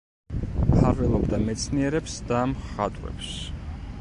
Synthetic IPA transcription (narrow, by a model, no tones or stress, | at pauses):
pʰaɾvɛlˠɔbd̪amɛt̪sʰniɛɾɛpsd̪amχa̰t̪ʼwvɛ̰ps